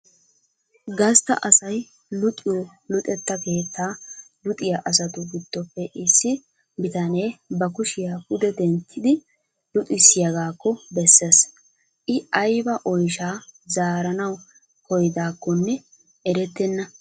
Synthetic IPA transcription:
ɡɐst̪ɐ̰ʔɐsɐj | lʊt̪ʼɪjo | lʊt̪ʼɛt̪ːɐke̞ːt̪ːaː | lʊt̪ʼɪjaʔɐsɐt̪ʊɡɪd̪̥ːɔpːɛʔɪsːɪ | bɪt̪ɐne̞ːbɐkʊʃɪjaːhʊd̪ɛd̪ɛnt̪ʰːɪd̪ɪ | lʊt̪ʼɪsːɪjɐɡaːkːɔbɛsːes | ʔɪʔɐjbɐʔɔjʃaːzaːɾɐnɐw | kɔjd̪aːkːɔnːɛ | ʔɛɾɛt̪ːɛnːɐ

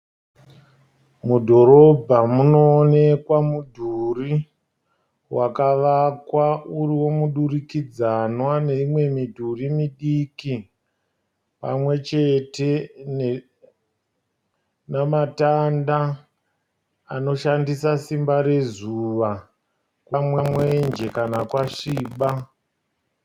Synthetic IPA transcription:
mudʱo̞ɾo̞bʱamuno̞ːne̞kwamudʱuri | wakaʋakwauriwo̞muɗurikid͡zanwane̞imwe̞midʱurimiɗiki | pa̰mwe̞t͡ʃe̞te̞n | namatanda | ano̞ʃandisasimbaɾe̞zuʋa | kwamwamwe̞nd͡ʒe̞kanakwaʃiːɓa

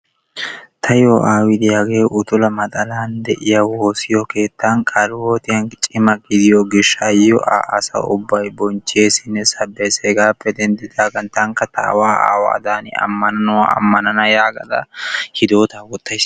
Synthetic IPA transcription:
t̪ʰɐjoːʔaːwɪd̪ɪjaɡeːʔʊt̪ʊlɐmɐt̪ʼɐlaːnd̪ɛʔɪjɐwo̞ːsɪjɔke̞ːt̪ːankʼɐɾɪwo̞ːt̪ɪjɐnt͡ʃʼɪmɐɡɪd̪ɪjɔɡɪʃːɐjɔ̰ʔa̰ːʔɐsɐ̰ʊbːɐjbɔnt͡ʃːeːsɪnːɛsɐbːeseːɡaːpːɛd̪ɛnd̪ɪd̪aːɡɐnt̪ɐŋkːɐt̪a̰ːwaːʔa̰ːwa̰ːd̪aːnɪ̰ɐ̰mːɐnɐnʊwa̰ɐ̰mːɐnɐnɐjaːɡɐd̪ɐ̰hɪd̪o̞ːt̪aːwɔt̪ːɐjs

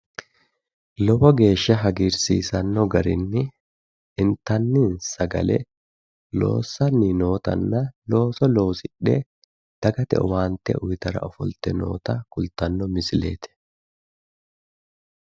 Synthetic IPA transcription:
lɔbɔɡe̞ːʃːɐɦɐɡiːɾsḭːsɐnːɔɡɐɾɪnːɪ | ʔɪnt̪ːɐnːɪnsɐɡɐ̰lɛ̰ | lo̞̰ːsːɐnːino̞ːt̪ɐ̰nːɐlo̞ːsɔlo̞ːsɪɗːɛ̰ | d̪̥ɐɡɐt̪ɛ̰ɔwaːnt̪ːɛ̰ʔʊjɪt̪ɐɾɐ̰ʔɔfɔlt̪ɛno̞̰ːt̪ɐkʊlt̪ɐnːɔmɪsɪle̞̰ːt̪ɛ̥

